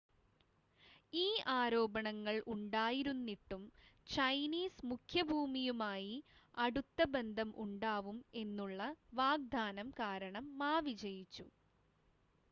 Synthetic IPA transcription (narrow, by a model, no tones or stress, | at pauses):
iːaːɾo̞ːbɐɳɐŋːɐɭʔuɳɖaːjiɾunːiʈːumt͡ɕɐjniːsmukʰjɐbʱuːmijumaːjiɐɽut̪ːɐbe̞nd̪ʱɐmʔṵɳɖaːʋume̞nːuɭːɐʋaːɡ̚d̪ʱaːnɐmkaːɾɐɳɐmːaːʋid͡ʑɐjit͡ɕːu